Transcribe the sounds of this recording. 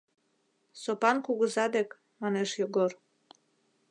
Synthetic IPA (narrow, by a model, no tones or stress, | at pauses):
sopɑnkuɣəzɑd̪ek | mɑneʃjoɡor